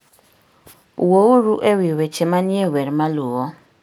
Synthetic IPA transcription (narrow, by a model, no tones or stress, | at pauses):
wouɾuʔɛwiwɛt͡ʃʰɛmaniɛɦwɛɾimaluːɣɔ